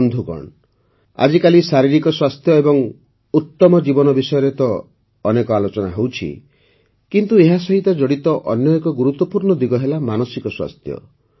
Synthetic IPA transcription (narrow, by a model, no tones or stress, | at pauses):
nd̪ʱukɔ̰ɳ | a̰d͡ʒikalisaɾiɾikɔswast̪ʰjɔebɔŋ | ut̪ːɔmɔd͡ʒibɔnɔbisɔjɔɾet̪ɔː | nekɔalot͡ʃɔnaɦewt͡ʃʰḭ | kint̪ueɦasɔɦit̪ɔd͡ʒɔɽit̪ɔʔɔnjɔekɔɡuɾut̪wɔpuɾɳɔd̪iɡɔɦelamanɔsikɔswa̰st̪ʰjɔ̰